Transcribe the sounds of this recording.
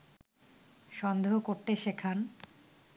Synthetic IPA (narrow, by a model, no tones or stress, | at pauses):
ʃɔnd̪eɦokoɾt̪eʃekʰan